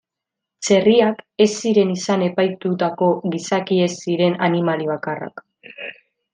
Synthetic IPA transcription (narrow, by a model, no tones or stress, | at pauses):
t͡se̞riake̞sːiɾe̞nisane̞pajt̪ut̪ako̞ɣisakie̞siɾe̞nanimaliβ̞akara̰k